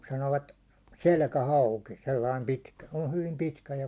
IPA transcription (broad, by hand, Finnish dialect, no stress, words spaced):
sɑnoːʋɑt selkæhɑuki selːɑim pitkæ se o hyʋim pitkæ jɑ